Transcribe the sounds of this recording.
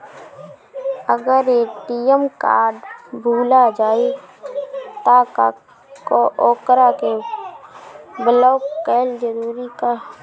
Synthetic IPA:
əɡəɾeʈijəmka̰ːɾɖbʱuːlad͡ʒaːe | t̪aka | koʔoːkɾake | bələːkɛːld͡ʒəɾuːɾika

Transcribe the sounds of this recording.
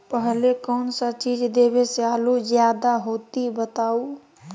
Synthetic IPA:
pəɦlekənsə̃t͡ʃid͡ʒd̪ebesealud͡ʒjad̪aɦot̪ibət̪au

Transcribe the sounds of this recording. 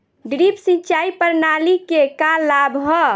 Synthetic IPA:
ɖɾipsĩt͡ʃaipəɾnalikekalabʱɦɔ

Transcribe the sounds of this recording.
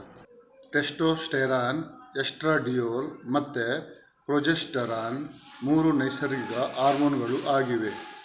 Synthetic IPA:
ʈesʈoːsʈeɾaːnesʈɾaːɖijoːlmɐt̪ːe | pɾod͡ʒesʈɐɾaːnmuːɾunɐjsɐɾɡɡɐʔaːɾmoːnɡɐɭuʔaːɡiʋe

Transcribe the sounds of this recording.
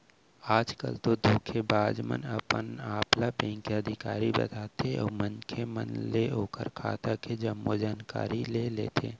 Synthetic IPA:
aːd͡ʒkə̰lt̪od̪ʱuːkʰebaːd͡ʒmə̰nəpənaːplapɛ̃ːŋkeəd̪ʱɪkaːɾibɐ̰t̪aːt̪ʰeɔ̰ːɾmənkʰemə̰nleoːkə̰ɾkʰa̰ːt̪akʰed͡ʒɐmːod͡ʒaːnka̰ːɾileːleːt̪ʰḛː

